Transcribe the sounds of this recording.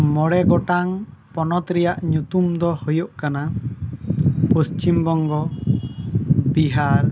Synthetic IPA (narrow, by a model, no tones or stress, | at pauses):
mɔɽɛɡɔʈaŋpɔnɔt̪ɾɛjaʔɲut̪umd̪ɔhɔjɔʔkana | post͡ʃimbɔŋɡɔ | biɦaɾ